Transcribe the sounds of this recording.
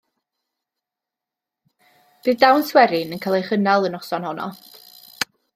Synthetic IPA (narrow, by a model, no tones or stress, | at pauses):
b̥ɨːðdawnswɛɾɪnənkʰalˠejχənalˠənɔsɔnhɔnɔ̰